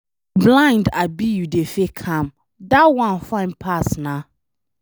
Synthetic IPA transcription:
blãɪ̃ndabijudefekʰãm | dawãnfãɪ̃npʰasna

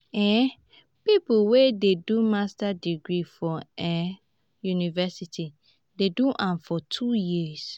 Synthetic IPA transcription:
ɛ̃ | pipuwededumastadiɡɹifɔɛ | junivɛsitʰi | deduʔãnfɔtʰujis

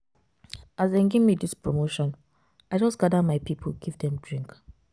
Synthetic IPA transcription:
azdenɡivmidispʰɹomoʃɔ̃n | aɪd͡ʒʌsɡ̥adəmaɪpipʰəlɡivdɛ̃mdɹĩŋk

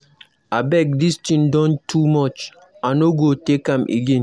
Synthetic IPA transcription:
abɛk̚distĩndɔ̃ntʰumɔt͡ʃ | anoɡotekãmʔḛɡẽn

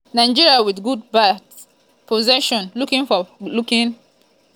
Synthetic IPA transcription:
nãɪ̃nd͡ʒiɹiawidɡud̚bad | pʰɔzɛʃɔ̃nlukĩŋfɔlukĩŋ

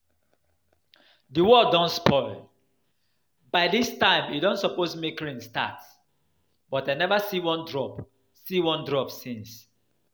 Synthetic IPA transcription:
dəwɔdɔ̃ntspɔɪl | baɪdistãɪ̃midɔ̃ntsɔposmekɹĩnsta̰ts | bɔtaɪnɛvasiwɔ̃ndɹɔp | siwɔ̃ndɹɔpsĩns

